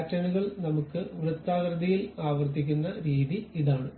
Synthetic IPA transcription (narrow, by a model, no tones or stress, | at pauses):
tːɾɐɳuɣɐɭnɐmukːɨʋrɨt̪ːaːɡɾɐd̪ɐjilaːʋɐrt̪̬ikʲːunːɐɾiːðiiðaːɳɨ